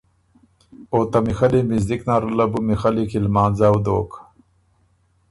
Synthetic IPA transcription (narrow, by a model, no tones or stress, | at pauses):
oːt̪ɐmixɐlimizd̪iknaːɾulɐbumixalikilmaːnzawd̪oːk